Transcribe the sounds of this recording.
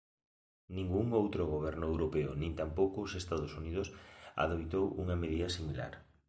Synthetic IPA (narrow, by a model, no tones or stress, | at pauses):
nĩŋɡuŋowt̪ɾoɣoβ̞ɛɾnʊewɾopeʊ̰nĩnt̪ampowkʊːsest̪að̞osuniðʊsa̰ðojt̪owuŋɐmeðiɐsimila̰ɾ